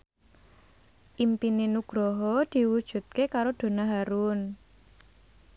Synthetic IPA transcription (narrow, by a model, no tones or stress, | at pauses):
ʔimpinenuɡ̥ɾɔɦɔd̪̥i̤wud̥ʒ̥ṳt̪̚kekaɾod̪̥o̤naɦaɾun